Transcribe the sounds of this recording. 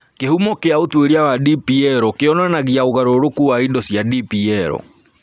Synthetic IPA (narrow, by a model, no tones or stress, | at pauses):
kehumɔkeaotweɾiawadipiɛɾɔkeɔnanaɣiaoɣaɾoɾokuwaidɔsjadipiɛɾɔ̰